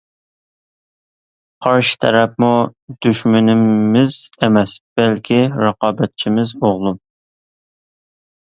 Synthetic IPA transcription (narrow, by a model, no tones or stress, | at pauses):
qʰɑɾʃɪ̥t̪ʰɛɾɛp̚mud̪̥yʃmynɪːɪz̥emɛsb̥ɛlkʲʰiɾɑqɑːbɛt̪̚t͡ʃʰimɪzoʁlˠum